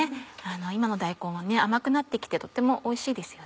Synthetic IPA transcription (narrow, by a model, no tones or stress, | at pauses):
ano̞imano̞d̪aiko̞ːɡane̞amakɯ̟nat̪ːe̞kʲi̥t̪e̞t̪o̞t̪ːe̞mo̞ʔoiɕiːd̪e̞sɨ̥jo̞